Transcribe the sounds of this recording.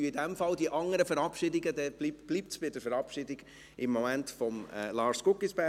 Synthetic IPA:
idɛmfɑldiʔɑŋəɾəfəɾɑpʃɪdɪɡədɛb̥lipb̥liːp̚tsb̥ɪdəɾfəɾɑpʃɪːdɪɡ | ʔɪmːɔmæntfɔmɛ̰lɑːɾskʊkːisb̥æ

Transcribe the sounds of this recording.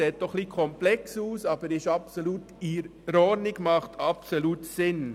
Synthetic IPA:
eːt̚d̥ɔχːliːkʰɔmplɛksuːsɑːb̥əɾɪʃɑpsoluːtiɾɾɔɾnɪɡ̥mɑχtʰɑpsoluːtsɪn

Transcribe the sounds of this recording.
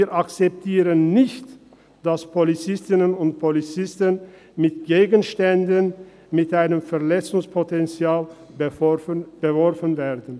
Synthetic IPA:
iːʔakt͡sɛp̚tʰiːʁənːɪçt | d̥aspʰolit͡sɪstɪnənʊntpʰolit͡sɪstən | mɪtɡ̥eːɡənʃtɛndən | mɪtʔaɪnəmfɛɐlɛt͡sʊŋspʰotɛnt͡sjaːl | b̥əvɔʁfənvɛːɐdən̩

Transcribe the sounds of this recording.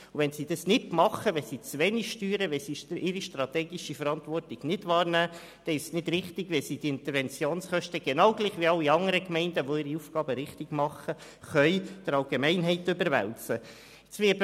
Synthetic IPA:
uʋɛnsid̥ɑsnɪdmɑχəʋɛsit͡sʋɛniʃtyːɾəʋɛlsiʔɪɾiʃtɾɑt̪ɛːɡiʃifəɾɑnt̪ʋɔrtɪɡ̥nɪdʋɑːɾnæː | d̥ɛɪʃsnɪdɾɪχt̪ɪɡ̥ʋɛlsidiɪnt̪əɾʋɛnt͡sjoːnsχœʃtəɡ̥enɑwɡ̥liːχʋiɑwiɑŋəɾəkmɛɪndəʋoɪɾiuːfɡ̥ɑːbəɾɪχtɪɡ̥mɑχə | χœʏd̥əɾɑlɡemɛɪnɦɛɪt̪ʏbəɾʋæ̰lt͡sə | t͡sʋɪː

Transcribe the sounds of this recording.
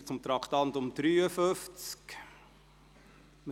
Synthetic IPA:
t͡sʊmt̪ɾɑkt̪ɑnt̪ʊmd̪̥ɾyːəfɵft͡sk | mə

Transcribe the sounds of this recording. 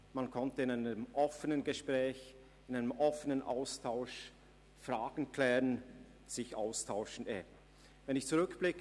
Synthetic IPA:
mankʰɔntəɪnaɪnəəmʔɔfənənɡəʃpʁ̥ɛːç | ɪnaɪnəmʔɔfənənʔa̰ʊstʰaʊʃ | fʁaːɡ̥n̩kʰl̥ɛːʁən | z̥ɪçʔa̰ʊstʰaʊʃn̩ʔɛː | vɛnɪçt͡suʁʏkb̥lɪkə

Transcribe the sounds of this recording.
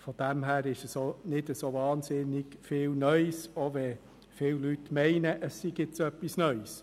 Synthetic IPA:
fod̥æmɦæːɾɪʃəsonɪdəsovɑːnsɪnɪɡ̥fɪːlnœʏsoʋɛ | fɪwlytmɛɪnəʔəsːiɡɪt͡sœpːisnœʏs

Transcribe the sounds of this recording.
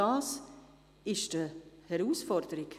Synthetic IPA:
ɑːs | ɪʃd̥əhɛɾuːsfɔɾd̥əɾɪk

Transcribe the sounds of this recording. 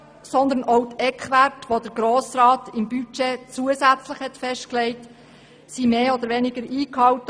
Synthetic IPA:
sɔnd̪ənowtɛkχʋærtʋod̥̪əɡɾoːsɾɑːt̪ɪmbyt͡ʃet͡suəsæt͡slɪχhɛtfɛʃtklɛɪt | simeːɔd̪əɾʋɛnɪɡəɾiːkhɑwtə

